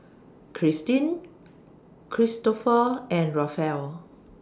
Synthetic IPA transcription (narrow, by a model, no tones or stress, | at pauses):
kʰɹistĩn | kʰɹistɔfəɛ̃nɹɔfɛl